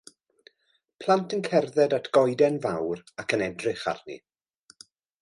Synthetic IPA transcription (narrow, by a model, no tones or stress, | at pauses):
pʰlˠantʰənkʰɛrðɛdatʰɡ̥ɔjdɛnvawɾakʰənɛdrɪχa̰rnḭ